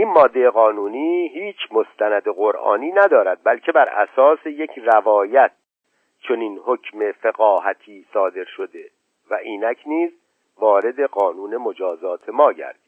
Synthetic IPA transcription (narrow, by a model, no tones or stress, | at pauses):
ʔinmɒːd̪ːeeɣɒːnuːniːhiːt͡ʃʰmo̞st̪ʰænæd̪eɣoɾʔɒ̰ːniːnæd̪ɒːɾæd̪̚bælkcʰe̞bæɾæ̰sɒːse̞jecʰrævɒːjæt̪̚ | t͡ʃʰoniːnhocʰmefeɣɒːhæt̪ʰiːsɒːd̪e̞ɾʃod̪e̞ | væʔiːnæcʰniːz | vɒːɾe̞d̪e̞ɣɒːnuːne̞mo̞d͡ʒɒːzɒːt̪ʰe̞mɒːɟæ̰ɾd̪̥i̥